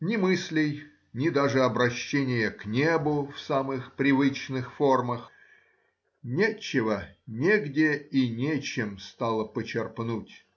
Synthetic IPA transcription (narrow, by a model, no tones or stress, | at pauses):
nʲɪmɨsʲlʲɪj | nʲɪd̪aʐɨɐbɾɐɕːenʲɪjəknʲebʊfsamɨxpɾʲɪvɨt͡ɕnɨxfo̞rməx | nʲet͡ɕːɪvənʲeɡdʲɪinʲet͡ɕɪmst̪alˠəpət͡ɕɪrpnutʲ